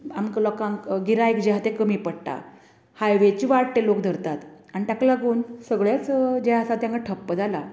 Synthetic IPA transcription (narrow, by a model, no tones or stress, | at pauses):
amklɔkãŋkɡiɾãekd͡ʑeɦat̪ekəmiːpəɽʈ̪a̰ | hajʋet͡ɕiːʋaɽʈ̪elokd̪ʱəɾt̪at̪ | anit̪jaklaɡuːnsəɡɭjat͡sd͡ʑeasat̪jãŋkaʈʰəpːəd͡zala